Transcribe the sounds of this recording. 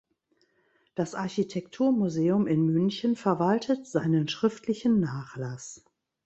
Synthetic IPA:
d̥asʔaɐçitʰɛktʰuːɐmuzeːʊmɪnmʏnçənfɛɐvaltʰətz̥aɪnənʃʁ̥ɪftʰlɪçn̩ːaːχlas

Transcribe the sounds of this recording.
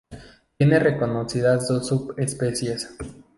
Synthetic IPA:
t̪jene̞re̞ko̞nosiðazdosuβespe̞sjes

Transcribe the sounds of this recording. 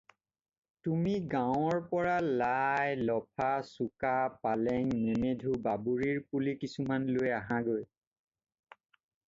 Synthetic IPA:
tumiɡãw̃ɔɹpɔɹalajlɔpʰasukapalɛŋmemedʱubabuɹiɹpulikisumanlojaɦaɡoj

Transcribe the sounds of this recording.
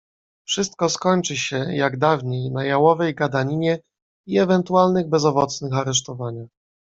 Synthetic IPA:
fʂɘst̪̚kɔskɔɲʲt͡ʂɘɕɛjaɡd̪avɲejnajawɔvɛjɡad̪aɲiɲɛ | iɛvɛnt̪ualnɘɣbɛzɔvɔt̪snɘxaɾɛʂt̪ɔvaɲa

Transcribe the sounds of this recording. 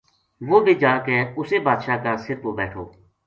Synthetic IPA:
ʋoːbʱiːd͡ʒaːkeːʊseːbaːd̪ʃaːkaːsɪɾt̪oːbɛːʈʰo̰ː

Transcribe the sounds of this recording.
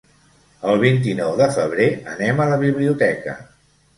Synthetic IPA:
əlˠβ̞int̪̬inɔwðəfəβ̞ɾeə̰nɛmələβiβliut̪ɛkə̰

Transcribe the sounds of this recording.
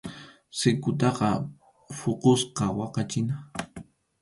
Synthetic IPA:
sɪkʊt̪ɑqɑ | foqʊsqɑwɑqɑt͡ʃɪnɑ

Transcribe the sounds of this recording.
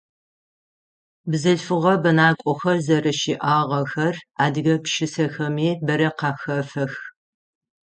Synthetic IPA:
bzɨɬfɨʁɐbɐnaːkʷʼɔxɐrzɐɾɐʃiːʔaːʁɐxɐraːdɨɣɐpʃɪsɐxɐmiːbɐɾɐqɑːxɐfɐx

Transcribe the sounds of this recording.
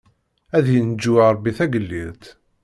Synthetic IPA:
æðjnəd͡ʒːuɾˤbːiθæɡəlːiɾt̪

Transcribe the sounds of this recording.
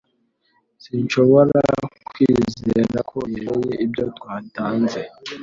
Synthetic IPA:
siɲʃoβoɾa̰kʰwiːzeːɾakʰojeɾejeʔibjotkwaːtaːnze

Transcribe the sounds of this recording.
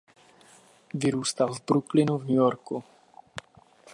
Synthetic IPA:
vɪɾuːst̪alvbɾuklɪnuvɲujoɾku

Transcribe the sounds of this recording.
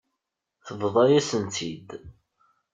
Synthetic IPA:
θəvðˤɑjæsənt̪ʰid̪

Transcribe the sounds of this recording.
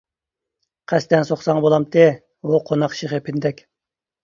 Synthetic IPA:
qʰæst̪ɛnsoχsɑŋbolˠɑmt̪ʰɪ | uqʰonɑqʃeχəpʰɪnd̪ɛkʲ

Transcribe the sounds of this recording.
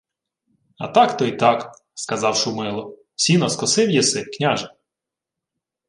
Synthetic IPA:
ɐ̰t̪ɑkt̪ɔjt̪ɑk | skɐzɑwʃʊmɪlˠɔ | sʲinɔskɔsɪwjisɪknʲaʒɛ

